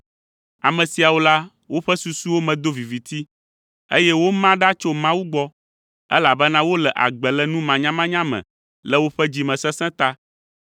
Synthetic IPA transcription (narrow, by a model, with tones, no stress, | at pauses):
a˨mɛ̃˨si˨a˨wo˦la˦ | wo˦ɸɛ˦su˨su˦wo˦mɛ̃˨d̪o˦vi˨vi˨t̪i˦ | ḛ˦jɛ˦wo˦mã˦ɖa˦t͡ʃo˦mã˦wu˦ɡ͡bɔ˦ | ɛ̰˦la˨bɛ˦nã˦wo˦lɛ˨ʔa̰˨ɡ͡bɛ˨lɛ˦nũ˦mã˨ɲã˦mã˦ɲã˦mɛ̰̃˨ | lɛ˦wo˦ɸɛ˦d͡ʑi˦mɛ̃˨sɛ̃˦sɛ̃˦t̪a˦